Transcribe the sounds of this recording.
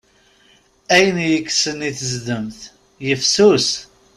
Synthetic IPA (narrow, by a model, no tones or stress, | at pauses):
æjənjəkːsəniθəzd̪əmθ | jəfsus